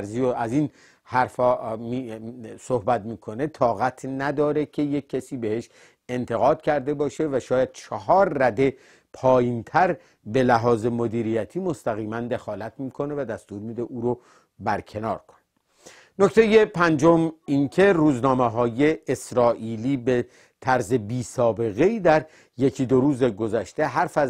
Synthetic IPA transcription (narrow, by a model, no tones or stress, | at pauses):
ɾzijoæzin | hæɾfɒːmisohbæt̪miːkʰo̞ne̞t̪ʰɒːɣæt̪ʰnæd̪ɒːɾe̞cʰe̞je̞kʰːæsiːbe̞he̞ʃ | e̞nt̪ʰe̞ɣɒːd̪̥̚cʰæɾd̪e̞bɒːʃe̞væʃɒːjæd̪̥̚t͡ʃʰæɦɒːɾːæd̪e̞ | pʰɒːjiːnt̪ʰæɾ | be̞læɦɒːze̞mo̞d̪iːɾijæt̪ʰiːmost̪æɣiːmænd̪e̞xɒːlæt̪miːkʰo̞ne̞væd̪æst̪uːɾmid̪e̞ʔuːɾo | bæɾcʰenɒːɾkʰo̥ne | noct̪ʰe̞jepʰænd͡ʒomincʰe̞ruːznɒːmeɦɒːje̞ːsɾɒːʔiːliːbe | t̪ʰæɾze̞biːsɒːbe̞ɣe̞iːd̪æɾ | je̞kʰid̪oɾuːzeɡozæʃt̪e̞ɦæɾfæ